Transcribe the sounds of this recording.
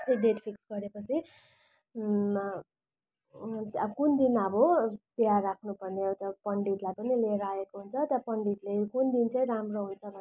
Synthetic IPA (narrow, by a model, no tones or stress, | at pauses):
t̪iɖ̪eʈpʰiksɡʌɾepʌt͡sʰi | t̪ʌkund̪inʌbopjarakʰnupʌrneʌwt̪ʌpʌɳɖiʈ̪lajpʌnileɾaekoɦunt͡sʰʌt̪japʌɳɖit̪lekund̪int͡sʌj̃ɾamroɦunt͡sʰʌbʱʌ